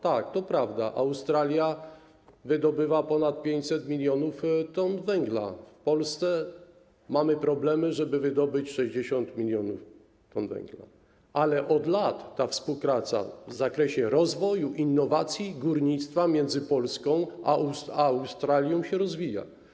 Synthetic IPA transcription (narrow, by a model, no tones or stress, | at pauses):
t̪ak̚t̪ɔpɾavd̪aʔawst̪ɾalʲja | vɘd̪ɔbɘvapɔnat̪̚pʲjeɲt͡ɕʲsɛt̪mʲilʲjɔnuft̪ɔnvɛŋɡla̰fpɔlst̪sɛ | mamɘpɾɔblɛmɘʐɛbɘvɘd̪ɔbɘt͡ɕʂɛʑd͡ʑeɕɔnt̪mʲilʲjɔnuf | t̪ɔnvɛ̰ŋɡla̰ | alɛʔɔd̪lat̪ːafspuwpɾat̪sa̰vzakɾɛɕɛɾɔzvɔjuʔinːɔvat̪sʲjiɡuɾɲit̪st̪famʲjɛnd̪zɘpɔlskɔ̃w̃aawst̪ɾalʲjɔ̃w̃ɕɛɾɔzvʲija̰